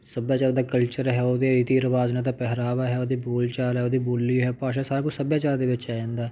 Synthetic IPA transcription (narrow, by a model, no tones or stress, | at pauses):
səbjaːt͡ʃaːɾd̪aːkəlt͡ʃəɾɦɛːoːd̪eːɾiːt̪iːəɾəʋaːznãːt̪aːpɛɦɾaːʋaːɦɛːoːd̪iːboːlt͡ʃaːlɛːoːd̪iːboːlːiːɦɛːpaːʃ̬ãːsaːɾaːkʊt͡ʃsəbjaːt͡ʃaːɾd̪eːʋɪt͡ʃaːãːnd̪aːɛ